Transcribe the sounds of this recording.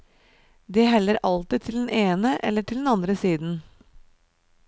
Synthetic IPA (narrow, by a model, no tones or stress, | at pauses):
d̪iːɦɛlːəɾʔɑlt̪ɪt̪ʰɪld̪ɛn̩eːnəʔɛ̰lːəʈʰɪld̪ɛnɑnd̪ɾəsiːd̪n̩